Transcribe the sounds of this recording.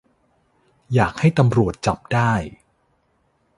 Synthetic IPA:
jaː˨˩k̚ha˥˩jt̪a˧mɾu˨˩ət̪̚t͡ɕa˨˩p̚daː˥˩j

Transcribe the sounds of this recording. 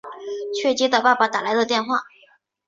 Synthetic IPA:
t͡ɕʰɥɛ˥˩t͡ɕi˧˥t̪a˨˩pa˥˩pa˨˩t̪a˨˩la˧˥ɪd̪ə˧t̪jɛ˥˧nxwa˥˩

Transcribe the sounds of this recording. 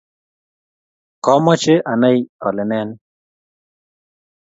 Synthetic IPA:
kɔ˦mɔ˦t͡ʃe˦ʔa˨na˦jɔ̰˨lɪ˨nɛ˦n

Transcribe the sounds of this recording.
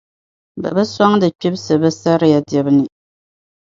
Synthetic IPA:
ba̰˨bɨ˦swa˦ŋdɨ˨k͡pi˦bsɨ˨bɨ˦sa˦ɾɨ˦ja˨dɛ˨bɨ˦nɨ˨

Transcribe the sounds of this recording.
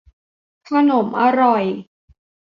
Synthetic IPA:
t̪ʰa˧no˩˦mʔa˧ɾɔ˨˩j

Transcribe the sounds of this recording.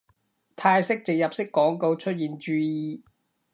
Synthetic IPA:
t̪ʰaː˧jsɪ˥k̚t͡sɪ˨ŋ̚jɐ˨p̚sɪ˥kːɔː˨˥ŋko˧wt͡ʃʰɵ˥t̚jiː˨nt͡ʃyː˧jiː˨˧˩

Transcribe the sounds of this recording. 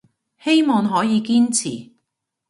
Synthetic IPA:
he˥jmɔː˨˩ŋɦɔː˨˥jiː˨˧kiː˥nt͡sʰḭː˨˩

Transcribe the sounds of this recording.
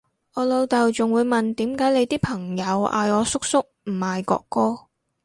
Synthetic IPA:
ɔː˨˧lo˨˧wt̪ɐ˨wt͡sʊ˨ŋwuː˨˧jmɐ˨nt̪iː˨˥mkaː˨˥jle˨˧jt̪iː˥pʰɐ˨˩ŋjɐ˨˧wʔa̰ː˧jɔː˨˧sʊ˥k̚sʊ˥k̚m̩˨˩maː˨jkɔ̰ː˧kːɔː˥

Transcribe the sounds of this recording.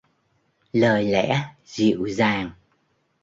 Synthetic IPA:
ləː˨˩jlɛ̰˧˥zḭ˧˨əwzaː˨˩ŋ

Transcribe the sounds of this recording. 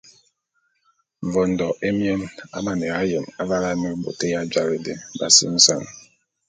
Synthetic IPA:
ɱ̩˨vɔ˨n̩˨dɔ˨e˦mje˦na̰˦ma˨ne˨ɣa˦je˨ma˦va˦la˦me˦bo̰˨te˦ja˦d͡ʒa˦ɾe˨de˨ba˨sḭ˦n̩˦sa̰˦ŋ

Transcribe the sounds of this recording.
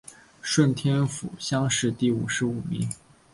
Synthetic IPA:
ʂwə˥˩nt̪ʰjɛ˥nfṵ˨˩ɕjɑ˥ŋʂɻ̩˥˧t̪i˥˩u˨˩ʂɻ̩˧˥u˨˩mḭ˧˥˦ŋ

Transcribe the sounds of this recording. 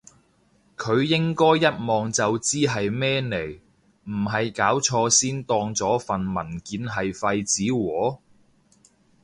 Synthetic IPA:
kʰɵ˨˧ɥjɪ˥ŋkɔː˥jːɐ˥t̚mɔː˨ŋt͡sɐ˨wt͡siː˥ɦɐ˨jmɛː˥ne˨˩j | m̩˨˩ɦɐ˨jkaː˨˥wt͡ʃʰɔː˧siː˥nt̪ɔː˧ŋt͡sɔː˨˥fɐ˨nmɐ˨˩nkiː˨˧nɦɐ˨jfɐ˧jt͡siː˨˥wɔː˨˥

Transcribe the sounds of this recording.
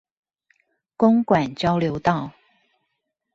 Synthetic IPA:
kʊ˦ŋkwa˨˩nt͡ɕjɑ˥˦ʊljo˨˦ʊt̪ɑ˥˨ʊ

